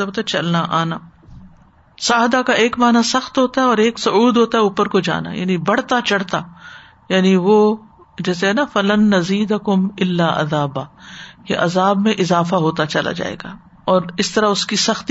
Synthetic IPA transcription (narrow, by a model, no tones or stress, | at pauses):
ɐbt̪at͡ʃɐlnaʔaːnaː | saːɦd̪akaʔeːkmaːnasɐxt̪ɦoːt̪aɦɛɔːɾeːksʊuːd̪ɦoːt̪aɦɛuːpəɾkod͡ʒa̰ːna̰ja̰ːnibɐɽ̤t̪at͡ʃɐɽt̪a | jaːniʋoː | d͡ʒɛːseɦɛnafɐlɐnːɐziːd̪ɐkʊmɪlːaːʔɐ̰ðaːbaːkeʔɐzaːbmẽʔɪzaːfaɦoːt̪at͡ʃɐla̰d͡ʒa̰ːḛːɡa̰ː | ɔːɾɪst̪ɐɾaʊskisɐxt̪